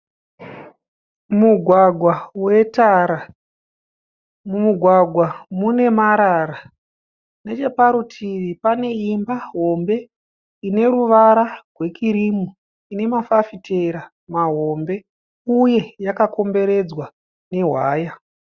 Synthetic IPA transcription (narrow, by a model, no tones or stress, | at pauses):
muɡʱwaɡʱwawe̞taɾa | mumuɡʱwaɡʱwamune̞maɾara | ne̞t͡ʃe̞paɾutʰiʋipane̞imbaɦo̞mbe̞ | ine̞ɾuʋaɾarwe̞kiɾimu | ine̞mafafitʰeɾa | maɦo̞mbe̞ | uje̞jakako̞mbe̞ɾe̞d͡zwa | ne̞ɦwaːja